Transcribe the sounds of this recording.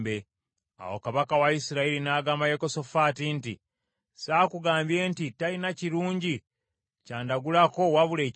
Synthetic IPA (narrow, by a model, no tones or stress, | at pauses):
be | a̰wo̰kaβakawaisiɾailinaːɡaːmbajeko̞so̞faːtinti | saːkuɡaːmbje̞ntitalinaciɾuːɲɟi | caːndaɡulako̞waβule̞ː